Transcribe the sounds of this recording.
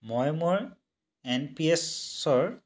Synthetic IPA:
mɔjmʊɹ | enpiesːɔɹ

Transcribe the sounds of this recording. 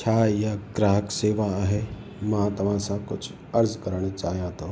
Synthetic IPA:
t͡ʃʰaːjaɡɾaːɦəkseːʋaaːɦe | mɐɦãt̪ɐm̤ãsãkʊt͡ʃʰ | ɐɾd͡ʒkəɾəɳ̃t͡ʃaːɦjat̪oː

